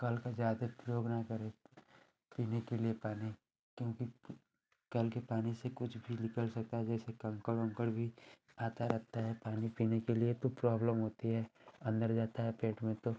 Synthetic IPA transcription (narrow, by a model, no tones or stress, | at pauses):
kɐlkad͡ʒjaːd̪epɾjoːɡnakɐɾe | piːnekeliepaːni | kjõːki | kɐlkepaːnisekʊt͡ʃʰbʱinɪkəlsɐk̚t̪aɦɛd͡ʒɛːsekɐ̃ŋkəɽɐ̃ŋkəɽbʱi | aːt̪aɾɐt̪aɦɛpaːnipiːnekeliet̪opɾɔːbləmɦoːt̪iɦɛɐ̃nd̪əɾd͡ʒaːt̪aɦɛpeːʈmẽt̪o